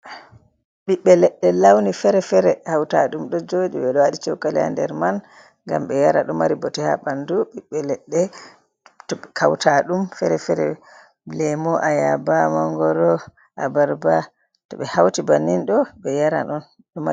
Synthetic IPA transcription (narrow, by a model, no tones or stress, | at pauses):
ɓiɓːɛlɛɗːɛlawnifɛɾɛfɛɾɛhawtaɗumɗɔd͡ʒoːd͡ʒiɓɛɗɔwaɗit͡ʃɔwkalɛa̰ndɛɾman | ŋɡa̰mɓɛjaɾa̰ɗɔmaɾibɔtɛha̰ɓanduɓiɓːɛlɛɗːɛ | tkʰawtaɗumfɛɾɛfɛɾɛ | lɛmɔʔajabamɔŋɡɔɾɔ | abaɾba | tɔɓɛhawtibanːinɗɔɓɛjaɾa̰ɗɔn | ɗɔma